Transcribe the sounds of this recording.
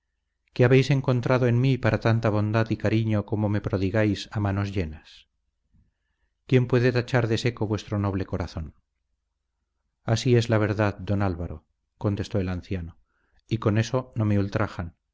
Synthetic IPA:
ke̞aβe̞jse̞ŋko̞nt̪ɾaðoe̞nmipaɾat̪ant̪aβ̞ond̪aðikaɾiɲo̞ko̞mo̞me̞pɾo̞ðiɣajsamano̞zʎe̞nas | kje̞mpwe̞ðe̞t̪at͡ʃaɾðe̞se̞ko̞βwe̞st̪ɾo̞no̞β̞le̞ko̞ɾaθo̞n | asie̞zlaβ̞e̞ɾðaðd̪o̞nalβaɾo̞ | ko̞nt̪e̞st̪o̞elanθjano̞ | iko̞ne̞so̞no̞me̞ult̪ɾaxan

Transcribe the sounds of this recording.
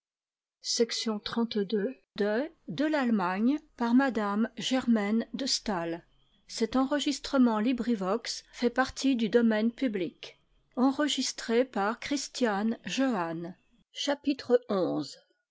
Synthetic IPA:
sɛksjɔ̃t̪χɑ̃t̪d̪ø | d̪əd̪əlalmaɲpaʁmad̪amʒɛʁmɛnd̪əst̪al | sɛt̪ɑ̃ʁəʒist̪χəmɑ̃libʁivɔksfɛpaʁt̪ʰid̪yd̪ɔmɛnpyblik | ɑ̃ʁəʒist̪χepaʁkχist̪janʒøan | ʃapit̪χəɔ̃z

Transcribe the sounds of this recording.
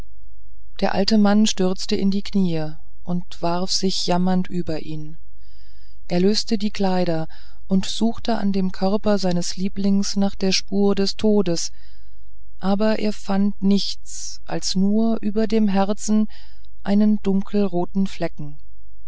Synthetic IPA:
d̥eːɐʔa̰ltəmanʃtʏɐt͡stəʔɪ̰ndiːkʰniːə | ʔʊntv̥aʁfz̥ɪçjamɐntʔyːbɐʔiːn | ʔeːɐløːstədiːkl̥aɪɾɐ | ʔʊntz̥uːxtəʔa̰ndeːmkʰœʁpɐzaɪnəsliːplɪŋsnaːχd̥eːɐʃpuːɐdɛstʰoːdəs | ʔaːbɐʔḛːɐfantnɪçt͡s | ʔa̰lsnuːɐʔyːbɐdeːmɦɛɐt͡sn̩ | ʔaɪnəndʊŋkʰl̩ʁoːtn̩flɛkŋ̩

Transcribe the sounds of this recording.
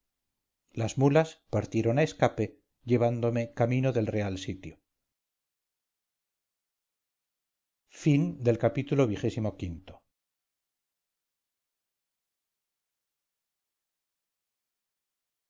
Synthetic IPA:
lazmulaspaɾt̪je̞ɾo̞naeskape̞ | ʝe̞β̞and̪o̞me̞kamĩno̞ðe̞lre̞alsit̪jo | find̪e̞lkapit̪ulo̞β̞ixe̞simokint̪o̞

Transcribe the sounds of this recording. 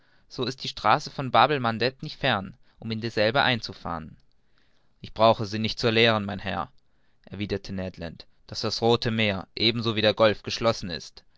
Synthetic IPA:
z̥oːɪst̚d̥iːʃtʁ̥aːsəfɔnbaːbl̩mandɛtnɪçtfɛɐn | ʔʊmɪndeːɐzɛlbəʔaɪnt͡sufa̰ːʁən | ʔɪçb̥ʁaʊxəziːnɪçt̚t͡suɐleːʁ̞ənmaɪnhɛ̰ɐ | ʔɛɐviːdɐtʰənɛdlant | d̥asd̥asʁoːtʰəmeːɐʔeːbm̩zoːviːdeːɐɡɔlfɡ̥əʃlɔsn̩ɪ̰st

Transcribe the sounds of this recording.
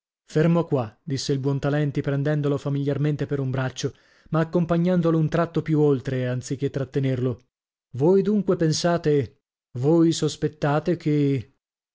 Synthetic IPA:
fermokwad̪isːeilbwɔnt̪alɛnt̪ipɾɛnd̪ɛnd̪olofamiljarment̪epeɾumbɾat͡ʃːo | maːkːompaɲːand̪olount̪ɾat̪ːopjuolt̪ɾeant̪sik̟ːet̪ːɾat̪ːenerlo | vojd̪uŋkwepensaːt̪e | vojsospet̪ːaːt̪ekʰe

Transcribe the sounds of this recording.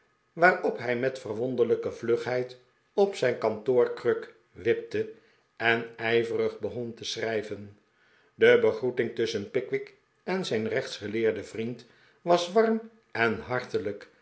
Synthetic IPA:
ʋaːrɔpɦɛjmɛtfərʋɔnd̪ələkəvløχɦɛjt | ɔpsɛjnkɑntʊːɹkrøk | ʋɪp̚tə | ɛnɛjvərəχbəχɔntəsrɛjvən | dəbəχrutɪŋtɵsənpɪkʋɪk | ɛnzɛjnrɛχtsχəlɪːɹdəvrint | ʋɑsʋɑrm | ɛnɦɑɹtələk

